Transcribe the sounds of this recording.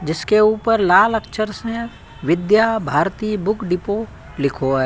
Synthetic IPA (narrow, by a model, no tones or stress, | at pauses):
d͡ʒɪskeuːpəɾlaːləkʃʰəɾsẽ | ʋɪd̪jabʱaːɾt̪iːbʊkɖɪpo | lɪkʰoɦɛː